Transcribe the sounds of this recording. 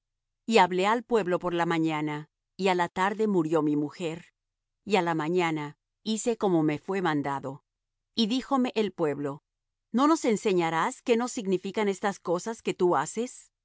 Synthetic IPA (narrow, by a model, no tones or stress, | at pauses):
iaβle̞alpwe̞βlo̞po̞ɾlamãɲana | ialat̪aɾðe̞muɾjo̞mimuxe̞ɾ | ialamãɲana | ise̞komome̞fwe̞mãnd̪aðo̞ | iðixo̞me̞ʔelpwe̞βlo̞ | no̞no̞se̞nse̞ɲaɾaske̞no̞siɣnifikane̞st̪asko̞saske̞t̪uase̞s